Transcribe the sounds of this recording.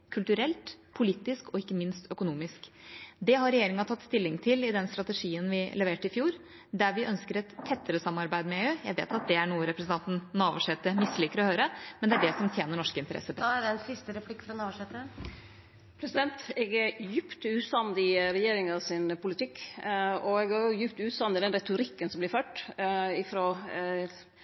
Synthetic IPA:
kʰʉlt̪ʉɾɛlt̪pʰʊliːt̪ɪskɔɪkːəmɪnst̪œkʊnuːmɪskd̪ɛɦɑɾɛjeːɾɪŋɑt̪ʰɑt̪ːst̪ɪlːɪŋt̪ʰɪlɪd̪ɛnst̪ɾɑt̪ɛʂiːənʋɪlɛʋeːʈəɪfjuːɾ | d̪æɾʋɪʔœnskəɾɛt̪ʰːɛt̪ːəɾəsɑmɑɾbæɪd̪mɛøːjæɪʋḛːt̪ɑt̪̚d̪ɛæɳuːəɾɛpɾəsn̩ʰɑnt̪n̩nɑːʋʊʂɛt̪əmɪsːliːkəɾɔhøːɾəmɛnd̪ɛæɖɛsɔmt̪ʰjeːnəɳɔʂkəɪnt̪əɾʔɛ̰sːəpɑæɖɛɛnsɪst̪əɾɛpʰlɪkːfɾɔnɑːʋʊʂɛt̪ə | pʰɾɛsɪd̪ɛnt̪ɛɡæjʉpt̪ʉːt̪sɑnd̪ɪɾɛjeːɾɪŋɑsɪnpʊlɪt̪ɪkː | ɔɛɡæʊjʉpt̪ʉːt̪sɑmɪd̪ɛnɾɛt̪ʊɾɪkːənsɔmblɪɾføːʈɪfɾoː

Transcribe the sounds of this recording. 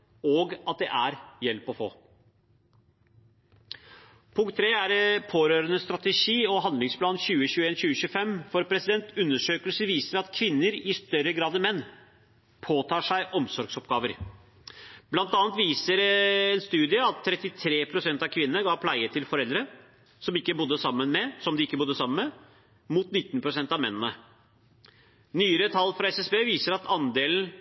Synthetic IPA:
ɔɡɑt̪̚d̪ɛʔæɾjɛlpɔfo̰ː | pʰʊŋkt̪ʰːɾeːæɾpʰoːɾøːɾənəst̪ɾɑt̪əʂiːɔɦɑnd̪lɪŋspʰlɑːnɕʉːəɕʉːeːnɕʉːəɕʉːəfɛmfɔɾpʰɾɛsɪd̪ɛnt̪ʉnːəʂøːkəlsəʋiːsəɾɑt̪kʰʋɪnːəɾɪst̪œɾəɡɾɑːd̪əmɛnː | pʰoːt̪ʰɑːʂæɪʔɔmsɔɾɡsɔp̚ɡɑːʋəɾ | b̥lɑnt̪ɑːnət̪ʋiːsəɾɛnst̪ʉːd̪ɪəɑt̪ʰːɾɛt̪ːɪt̪ʰɾeːpʰɾʊsɛnt̪ɑʋkʰʋɪnːənəɡɑːpʰlæɪət̪ʰɪlfɔɾɛld̪ɾə | sɔmɪkːəbʊd̪ːəsɑmːənmɛsɔmd̪ɪɪkːəbʊd̪ːəsɑmːənmɛ | muːt̪nɪt̪ːnpʰɾʊsɛnt̪ɑmɛ̰nːənə | nyːəɾət̪ʰɑlːfɾɑɛsɛsbeːʋiːsəɾɑt̪ʰɑnd̪eːln̩

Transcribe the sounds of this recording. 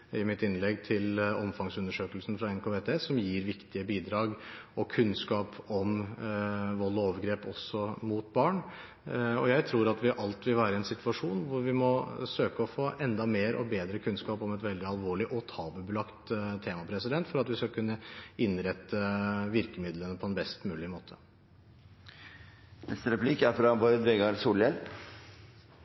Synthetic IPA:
ɪmɪt̪ɪnlɛɡːt̪ʰɪlɔmfɑŋsʉnəʂøːkəlsn̩fɾɑɛnkʰoːʋeːt̪ʰeːsɔmjiːɾʋɪkt̪ɪəbiːd̪ɾɑːɡʔɔkʰʉnskɑːpɔm | ʋɔlːɔoːʋəɡɾeːpɔsːɔmʊt̪̚bɑːɳ | ɔjæɪt̪ʰɾuːɾɑt̪ʋɪʔɑlt̪ʋɪlʋæːɾəɛnsɪt̪ʋʉɑʂuːnʋʊɾʋɪmɔsøːkəɔfoːʔɛnd̪ɑmeːɾʔɔ̰beːd̪ɾəkʰʉnskɑːpɔmɛt̪ʋɛld̪ɪɑlʋoːɭɪʔɔt̪ʰɑːbəbəlɑkt̪t̪ʰːeːmɑpʰɾɛsɪd̪ɛnt̪fɔɾɑt̪ʋɪskɑkʰʉnːəɪnɾɛt̪ːəʋɪɾkəmɪd̪lənəpʰɔɛnbɛst̪mʉːlɪmoːt̪ʰə̥ | nɛ̰st̪əɾɛpʰlikæɾfɾɑbɑd̪ʋɛɡɑɾsuːljɛl

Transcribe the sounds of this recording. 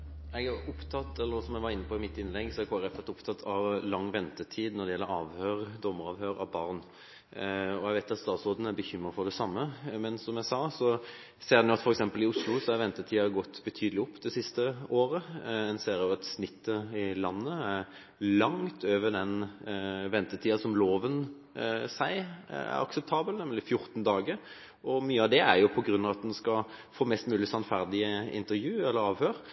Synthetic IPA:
ɛɡæɾʊpt̪ʰɑt̪ːɛlːəɾsɔmæɡʋɑɾɪnːəpʰɔɪmɪt̪ːɪnlɛɡsɔɛkʰoːɛɾɛfɔt̪ʊpt̪ʰɑt̪ʰːɑʋlɑŋːʋɛnt̪ət̪ʰiːd̪nɔd̪ɛjɛlːəɾɑːʋhøːɾd̪ɔmːəɾɑːʋhøːɾɑ̰ʋbɑɾn | ɔɛɡʋæɪt̪ɑt̪st̪ɑːt̪sʁoːd̪ən̩æbəçʏmːɾəfɔd̪ɛsɑmːəmɛnsɔmjæsɑːsɔ | seːd̪ɛnjʊɑt̪fɔɾɛksɛmpəlɪʊslʊsɔɛʋɛnt̪ət̪ʰiːɑɡɔt̪ːbət̪ʰyːd̪əlɪʊpːd̪ɛsɪst̪əoːɾəɛnseːɾjʊɑt̪snɪt̪ʰːəɪlɑnːəæʁ | lɑŋt̪ʰøːʋəd̪ɛn | ʋɛnt̪ət̪ʰiːɑsɔmloːʋən | sæɪæ̰ɾɑ̰ksɛp̚t̪ʰɑːbəlnɛmlɪfjʊɾt̪nd̪ɑːɡəɾ | ɔmyːəɑʋd̪ɛæɾjʊpʰɔɡɾʉnːɑʋɑt̪̚d̪ɛnskɑfoːmɛst̪mʉːlɪsɑnfæʁd̪ɪəɪ̰nt̪əɾjʉːɛlːəɾɑːʋhøːɾ

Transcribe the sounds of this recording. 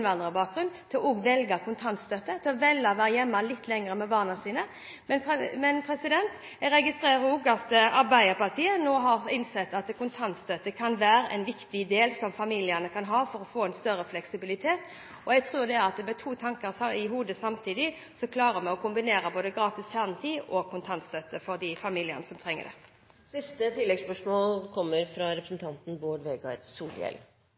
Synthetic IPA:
nʋɑnʁəbɑːk̚ɡɾʉnt̪ʰɪlʔɔːɡʋɛlɡəkʰʊnt̪ʰɑnt̪st̪øt̪ːət̪ʰɪlɔʋɛlːɑʋæːɾjɛmːəlɪt̪ʰːlɛŋəɾəmɛbɑːʁnɑnsiːnə | mɛnmɛnpʰɾɛsɪd̪ɛnt̪ | ɛɡɾɛɡɪst̪ɾeːɾəɾɔɡɑt̪ɑɾbæɪəpɑʁt̪ʰiːənoːɦɑɾɪnsɛt̪ːɑt̪kʰʊnt̪ʰɑnt̪st̪øt̪əkʰɑnʋæːɾəʔɛnʋɪkt̪ɪd̪eːlsɔmfɑmiːlɪənəkʰɑnɦɑːfɔɾɔfoːɛnst̪œɾəflɛksɪbɪlɪt̪ʰeːt̪ | ɔɛɡt̪ʰʁʉːd̪ɛæɾɑt̪̚d̪mɛt̪ʰuːt̪ʰɑŋkəɾɪɦuːd̪əsɑmt̪ʰiːd̪ɪ | sɔkʰlɑːɾəmɛɔkʊmbɪneːɾəboːd̪əɡɾɑːt̪ɪsçæɾnət̪ʰiːɔkʰʊnt̪ʰɑnt̪st̪øt̪əfɔɾd̪ɪfɑmiːlɪə̰nəsɔmt̪ʰɾɛŋːə̰d̪ɛ̰ | sɪst̪ət̪ʰɪlːɛɡspœʂmoːlkʰɔmːəɾfɾɑɾɛpɾəsn̩t̪ʰɑnt̪n̩boːɖʋeːɡɑ̰dsuːljɛ̰l

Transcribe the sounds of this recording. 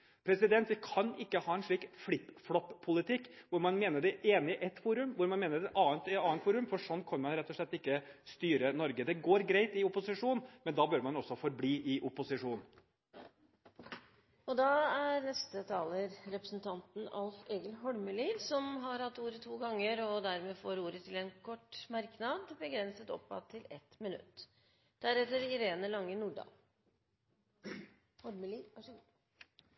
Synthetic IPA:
pʰɾɛsɪd̪ɛnt̪ʋɪkʰɑnɪkːəhɑːɛnʂɭiːkflɪpːflɔpʰːʊlɪt̪ʰɪkːʋʊɾmɑnmeːnəɖɛʔeːnɪʔɛt̪fuːɾʉmʋʊɾmɑnmeːnəɖɛʔɑːənt̪ɛɑːnt̪fuːɾʉmfɔʂɔnːkʰɑnmɑnɾɛt̪ːɔʂɭɛt̪ːɪkːəst̪yːɾənɔɾɡəd̪ɛɡoːɾɡɾæɪt̪ɪʊpʊsɪʂuːnmɛnd̪ɑːbœɾmɑnɔsːɔfɔɾbliːʔɪʔʊpʊsɪʂuːn | ɔd̪ɑːæɾnɛst̪ət̪ʰɑːləɾɾɛpɾəsn̩t̪ʰɑnt̪n̩ɑ̰lfeːɡəlɦɔɽməliːʋ̪sɔmɦɑɾhɑt̪ːuːɾət̪ʰuːɡɑŋːəɾɔd̪æɾmeːfoːɾuːɾət̪ʰɪlɛnkʰɔʈːmɑɾknɑd̪bəɡɾɛnsət̪ɔ̰pːɑ̰t̪ʰːɪlɛt̪mɪnʉ̰t̪ː | d̪̥æɾɛt̪ːəɾɪɾeːnəlɑŋːənuːɖɑ̰l | hɔɾmli

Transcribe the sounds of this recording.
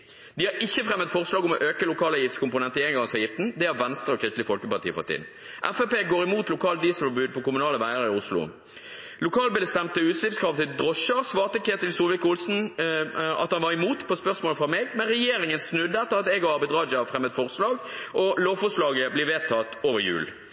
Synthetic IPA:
d̪ɪhɑɾɪçːəfʁɛmːət̪fɔʁslɑːɡɔmɔʔøːkəlʊkʰɑːləjɪft̪skʊmpʊnɛnt̪əɪeŋɡɑŋsɑːjɪft̪n̩d̪ɛæɾʋɛnst̪ʁəɔkʰʁɪst̪lɪəfɔlkəpɑʁt̪ʰiːəpɑ̰t̪ḭːn | ʔæfɛpeːɡoːɾɪmuːt̪lʊkʰɑːlt̪d̪iːsəfɔbʉːd̪̚pʰɔkʊmʉnɑːləʋæɪəɾəɪʊslʊ̰ | lʊkʰɑːlbɪləst̪ɛmt̪əʉːt̪slɪpskʰɾɑʋt̪ɪld̪ʁɔʃəʁsʋɑːʁt̪əkʰeːt̪ɪlsuːlʋɪkʊlsn̩ | ɑ̰t̪hɑnʋɑʁɪmuːt̪pʰɔspœʁsmoːləfɔʁmeːɡmɛnʁɛjeːɾɪŋənsnʉd̪ːəɛt̪ːəʁɑt̪ɛɡɔɑbɛɪd̪ʁɑːd͡ʒfɾʁɛmːət̪fɔʁslɑːɡʔɔloːfɔʁslɑːɡəblɪɾʋeːt̪ʰɑt̪oːʋjʉ̰ːl

